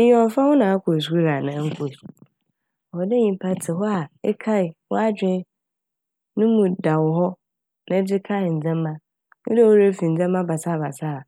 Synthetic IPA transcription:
ɔ̃˨m˨˦fã˦wʊ˦nã˨a˦kʰo˨s̬u˦ɾa˨nã˨˦ŋ̩˦kʰo˨su̥˨ | ɔ˨dɛ˦ɲĩ˨˦pʰa˦tʰɪ˨ɦɔ˦a˨ɛ˦kʰa˦ɪ˨wɔ̰˦a˦d͡ʑᶣɪ̃˦ | nʊ̃˦mũ˨da˨wʊ˨ɦɔ˦ | nã˦d͡ʑɪ˦kʰa˦ɪ˨n̩˨d͡zɛ̃˦mː˦ã˦ | nʊ̰̃˦de˦wo˦ɾe˦fĩ˨n̩˨d͡zɛ̃˦mːã˦ba˨sa˦˨ba˨sa˦˨

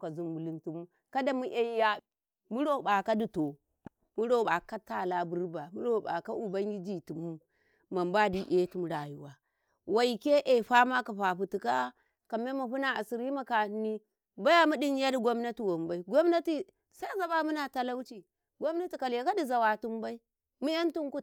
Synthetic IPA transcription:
ka˨zu˦mmu˨li˦ntu˨mu˦ | ka˦da˦mu˦ʔe˦ja˦ | mu˦ɾo˦˨ba˨ka˦di˨to˨ | mu˦ɾo˦˨ɓa˨ka˦ta˦˨la˦bu˦ɾba˨mu˦ɾo˦˨ba̰˨ka˦ʔu˨ba˦ŋɡʲi˦d͡ʒi˨tu˨mu˦ | ma˨mba˦di˦ʔe˦tu˦m˨ɾa˨ju˦wa˨ | wa˨i˨ke˦ʔe˨ɸa˦ma˦ka˨ɸa˨ɸu˨ti˨ka˦ | ka˨me˦ma˨ɸu˦na˨a˨si˨ɾi˦ma˨ka˨n˦ni˦ | ba˦ja˦mu˦di˦n˦ja˦di˨ɡo˦mna˦ti˨wo˨mba˨˦i˦ɡʷo˦mna˦ti˨ | sa˦za˨ɓa˦mu˦na˨ta˦la˦wt͡ʃi˨ | ɡo˦mna˦ti˨ka˨lja˨ka˦di˨za˨wa˨tu˦mba˦i˦ | mu˦ja˦ntu˦ŋku˦

